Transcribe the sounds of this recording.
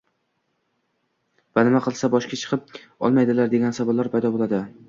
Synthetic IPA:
vanɪmaqʰɨlˠsabɒʃkʲat͡ʃʰɨ̥qʰɨp̚ɒ̰lˠmajd̪ɪlaɾd̪eɡʲansabɒlːaɾpʰajd̪ɒbolˠad̪ɪ

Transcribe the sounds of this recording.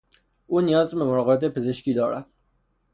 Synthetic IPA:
ʔuːnijɒːzbemoɾɒːɣebæt̪ʰepʰezeʃkiːd̪ɒːɾæ̰d̪̥

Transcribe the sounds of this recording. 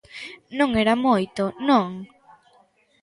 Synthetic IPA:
nõŋeɾamojt̪onõŋ

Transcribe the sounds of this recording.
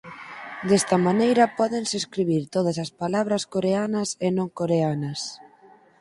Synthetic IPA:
d̪ɛst̪ɐmanejɾɐpɔðeŋseskɾiβ̞iɾt̪oð̞ɐsɐspalaβ̞ɾɐskoɾeanɐsenõŋkoɾeanɐs

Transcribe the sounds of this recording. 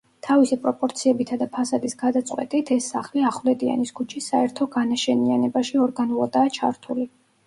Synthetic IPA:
t̪ʰavisipʼɾɔpʼɔɾt̪sʰiɛbit̪ʰad̪apʰasad̪isɡ̥ad̪at̪sʼqʼwɛ̰t̪ʼit̪ʰɛsːaχliaχvlɛd̪ia̰niskʰut͡ʃʰisaɛɾt̪ʰɔɡanaʃɛnianɛbaʃiɔɾɡanulˠad̪aːt͡ʃʰa̰ɾt̪ʰuli

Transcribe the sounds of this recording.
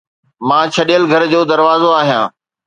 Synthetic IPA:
mãːt͡ɕʰɐɗijəlɡʱɐɾd͡ʑoːd̪ɐɾʋaːzoaːɦijãː

